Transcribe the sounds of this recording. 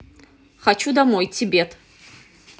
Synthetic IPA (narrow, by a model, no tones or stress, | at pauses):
χat͡ʃʰudamojt͡sʰibetʰʼ